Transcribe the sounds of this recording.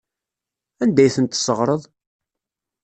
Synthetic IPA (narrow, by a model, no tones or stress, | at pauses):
ænd̪æjθənt̪ːsəʁɾˤəðˤ